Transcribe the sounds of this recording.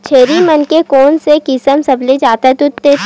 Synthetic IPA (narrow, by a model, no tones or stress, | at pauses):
t͡ʃʰeːɾimɐnkekɔːnsekɪsəmsɐbled͡ʒaːt̪at̪ʊt̪ːe